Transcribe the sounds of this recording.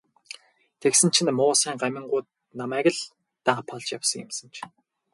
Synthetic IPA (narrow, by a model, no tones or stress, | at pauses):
t̪ʰeksɘ̆n̥t͡ɕʰĭnmʊːsæːŋɢamʲɪ̆ɴɢʊːt̪̚ | namæːɣɘ̆ɮ | t̪aɴpʰɔɮt͡ɕjawsə̆ŋjɪ̰̆msə̆nt͡ɕʰ